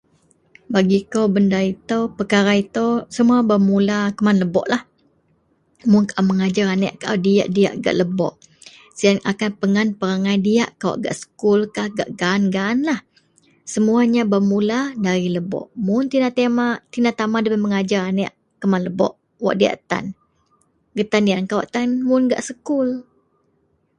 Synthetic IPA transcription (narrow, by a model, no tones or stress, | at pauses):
baɡikowbəndait̪əpəkaɾait̪əwsəmuabəmulakəmanləbɔ̰ʔlah | mʊnkaʔaməŋad͡ʒaɾanɛʔkaʔawdia̰ʔdia̰ʔɡa̰ʔləbɔ̰ʔ | səaŋʔakanpəŋanpəɾaŋajdiaʔkawa̰ʔɡa̰ʔsə̥kʊlkahɡa̰ʔɡaːnɡanlah | səmuaɲabəmuladaɾiləbɔ̰ʔmʊnt̪inat̪emaʔt̪inat̪amadəpəməŋad͡ʒaɾanɛʔ | kəmanləbɔ̰ʔ | wa̰ʔdia̰ʔt̪a̰n | ɡət̪andiaʔŋkawaʔt̪anmʊnɡa̰ʔsəkʊl